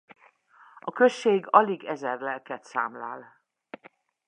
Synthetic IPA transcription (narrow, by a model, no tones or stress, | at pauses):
ɒkøʃːeːɡɒliɡɛzɛrlɛlkɛt̪sa̰ːmla̰ːl